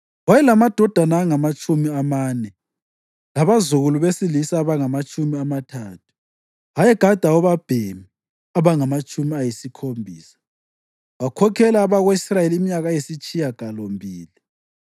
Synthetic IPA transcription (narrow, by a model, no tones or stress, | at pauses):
wajɛlamad̥ʱɔd̥ʱanaːŋamat͡ʃʼumiamaːnɛ | laβazuɣuluβesilisaːβaŋamat͡ʃʼumiamatʰaːtʰu̥ | ajɛɡ̥ʱad̥ʱawɔβab̥ʱemi | aβaŋamat͡ʃʼumiajisikʰombʱiːsḁ | βakʰɔkʰɛlaːβaɣweisrajeliimiɲaɣajisit͡ʃʼijaɡ̥ʱalombʱiːli